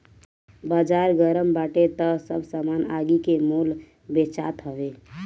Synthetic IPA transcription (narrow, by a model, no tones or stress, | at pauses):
baːd͡ʒaːɾɡəɾəmbaʈet̪əsəbʱsamana̰ɡikemul | bet͡ʃa̰ːt̪ɦəʋe